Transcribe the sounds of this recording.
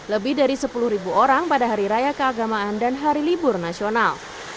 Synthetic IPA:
ləbɪhdaɾisəpulʊhɾibuoɾaŋpadaɦaɾiɾajakəaɡamaandanɦaɾilibʊrnasional

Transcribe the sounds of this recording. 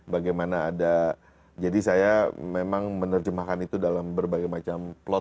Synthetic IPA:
baɡajmanaːda | d͡ʒadisajamemaŋmənərd͡ʒəmahkanit̪udalambərbaɡajmat͡ʃamplɔt̪̚

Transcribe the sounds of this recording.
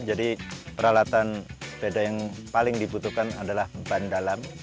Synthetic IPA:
d͡ʒadipəɾalat̪anbedajaŋpalɪŋdibut̪uhkana̰dalahbandalam

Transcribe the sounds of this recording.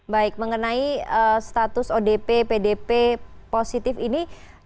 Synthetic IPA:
baɪk̚məŋənaiəst̪at̪ʊsodepepedepeposit̪ɪfini

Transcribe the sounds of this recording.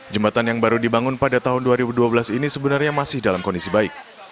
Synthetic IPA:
d͡ʒəmbat̪anjaŋbaɾudibaŋʊnpadat̪aɦʊnduaɾibuduabəlasinisəbənarɲamasɪhdalamkɔndisibaɪk̚

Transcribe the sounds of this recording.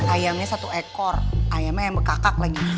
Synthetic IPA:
ajamɲasat̪uekɔrʔajamɲajaŋmbəkakak̚laɡi

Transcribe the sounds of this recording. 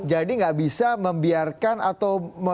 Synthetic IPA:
d͡ʒadiŋɡaʔbisaməmbiarkanat̪awmə

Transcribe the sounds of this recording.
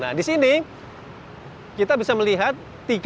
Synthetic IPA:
na̰disini | kit̪abisaməliɦat̪ːiɡ

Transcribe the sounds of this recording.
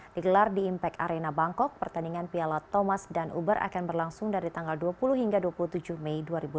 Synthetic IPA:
diɡəlardiːmpɛkaɾenabaŋkɔk̚pərt̪andiŋanpialat̪ɔmasdanʔṵbərʔa̰kanbərlaŋsʊŋdaɾit̪aŋɡalduapuluɦhiŋɡaduapuluht̪ud͡ʒuhmɛjduaɾibu

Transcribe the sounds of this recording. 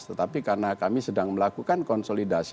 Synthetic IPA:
t̪ət̪apikarnakamisədaŋməlakukankɔnsolidas

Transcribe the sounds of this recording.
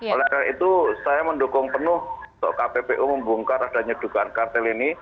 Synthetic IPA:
olɛhkaɾait̪usajaməndokʊŋpənʊht̪ɔ̰ʔkapepeʔuməmbuŋkarad̥a̤ɲad̥uɡ̥aankart̪ɛlini

